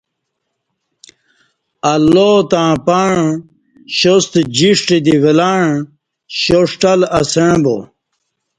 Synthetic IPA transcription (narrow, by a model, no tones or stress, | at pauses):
ɐlːot̪ãːpaɳ | ɕost̪d͡ʑiʂʈed̪iwelaɳ | ɕoʂʈɐlɐseɻbo̰